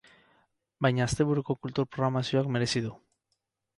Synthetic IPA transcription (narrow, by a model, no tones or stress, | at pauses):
bajɲast̪eβuɾokokult̪uɾpɾoɣɾamasjoakme̞ɾesiðu